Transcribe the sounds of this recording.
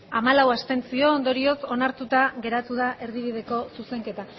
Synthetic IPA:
amalawast̪e̞nt͡sio̞ːnd̪o̞ɾio̞so̞naɾt̪ut̪aɣe̞ɾat̪uðaʔe̞ɾðiβ̞ið̞e̞ko̞suse̞ŋke̞t̪a

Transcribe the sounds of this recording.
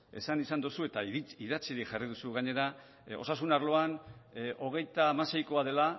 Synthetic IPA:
e̞̰sanisand̪usue̞t̪aiðat͡siɾiʝarið̞usuɣaɲe̞ɾa | o̞̰sasunaɾlo̞anʔo̞ɣ̞e̞jt̪aːmase̞jko̞aðe̞la

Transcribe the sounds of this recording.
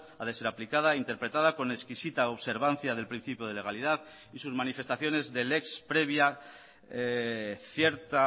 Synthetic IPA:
aðe̞se̞ɾaplikað̞aint̪e̞ɾpɾe̞t̪að̞ako̞ne̞skisit̪aoβse̞ɾβan̟θjað̞e̞lpɾin̟θipjoð̞ele̞ɣaliðað | isuzmanife̞st̪aθjo̞ne̞zðe̞le̞kspɾe̞β̞ja | θje̞ɾt̪a

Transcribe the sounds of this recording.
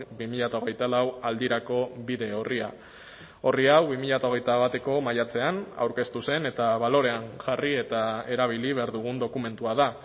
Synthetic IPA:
bimiʎat̪aoɣ̞e̞jt̪alawald̪iɾako̞βiðe̞o̞ria̰ | o̞riawβimiʎat̪ao̞ɣ̞e̞jt̪aβat̪e̞ko̞majat͡se̞ana̰wɾke̞st̪use̞ne̞t̪aβalo̞ɾe̞anʝarie̞t̪ae̞ɾaβ̞iliβeaɾðuɣ̞und̪o̞kume̞nt̪uaða

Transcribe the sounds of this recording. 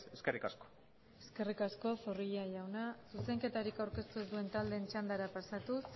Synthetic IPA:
eskerikasko̥ | e̞ske̞rikasko̞foriʎaʝawnasuse̞ŋke̞t̪aɾikawɾke̞st̪ezd̪ue̞nt̪ald̪e̞nt͡ʃand̪aɾapasat̪us

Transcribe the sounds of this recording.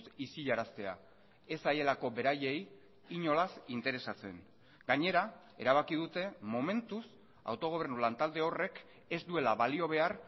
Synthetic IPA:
sisiʎaɾast̪e̞a̰ | e̞saje̞lako̞be̞ɾaje̞j | iɲo̞lasint̪e̞ɾe̞sat͡se̞̰n | ɡ̥aɲe̞ɾa | e̞̰ɾaβ̞akið̞ut̪e̞mo̞me̞nt̪us | a̰wt̪o̞ɣ̞o̞β̞e̞rnulant̪ald̪e̞o̞re̞k | e̞zd̪ue̞laβalio̞β̞e̞ar

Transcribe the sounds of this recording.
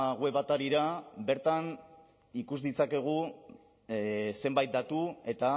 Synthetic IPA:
ɣwe̞βat̪aɾiɾabe̞ɾt̪an | ikuzðit͡sake̞ɣ̞u | se̞mbajt̪̚d̪at̪ue̞t̪a

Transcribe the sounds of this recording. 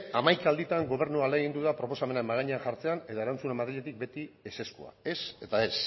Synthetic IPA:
amajkaːld̪it̪aŋɡo̞β̞e̞ɾnualeɣind̪uðapɾo̞po̞samenaemaɣaɲeaxaɾt͡se̞ane̞ðoe̞ɾant͡sunemaðɾiʎet̪ik̚be̞t̪iese̞skua̰e̞se̞t̪ae̞s

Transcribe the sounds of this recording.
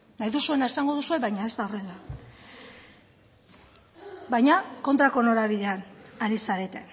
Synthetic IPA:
najðusue̞nae̞saŋɡo̞ð̞usue̞βajɲae̞zt̪aore̞la | bajɲako̞nt̪ɾako̞no̞ɾaβiðe̞anaɾisaɾe̞t̪e̞

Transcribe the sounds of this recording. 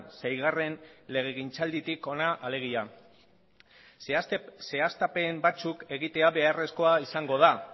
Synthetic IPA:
sajɣare̞nle̞ɣ̞e̞ɣ̞int͡sald̪it̪iko̞naʔale̞ɣ̞ia | se̞ast̪ape̞mbat͡suke̞ɣit̪e̞aβe̞are̞sko̞aisaŋɡo̞ð̞a

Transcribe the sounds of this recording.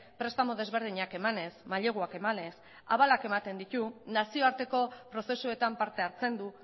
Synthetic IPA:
pɾe̞st̪amo̞ðe̞zβ̞e̞ɾð̞iɲake̞mane̞smaʎe̞ɣ̞uake̞mane̞s | a̰βalake̞mat̪e̞nd̪it̪unasio̞aɾt̪e̞ko̞pɾo̞se̞sue̞t̪ampaɾt̪e̞aɾt͡se̞nd̪u

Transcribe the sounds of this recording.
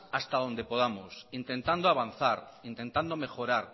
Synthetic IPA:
ast̪aðo̞nd̪e̞po̞ð̞amosint̪e̞nt̪and̪oaβ̞anθaɾint̪ẽ̞nt̪and̪o̞me̞xo̞ɾaɾ

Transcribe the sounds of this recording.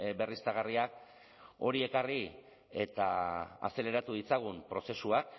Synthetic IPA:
be̞rist̪aɣariak | o̞ɾie̞kari | e̞t̪aa̰se̞le̞ɾat̪uð̞it͡saɣ̞umpɾo̞se̞suak

